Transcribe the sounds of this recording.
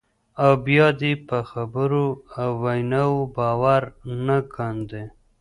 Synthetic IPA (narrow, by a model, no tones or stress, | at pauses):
awbjɑd̪epəxabəɾoawːajnɑwobɑwaɾnakʰand̪e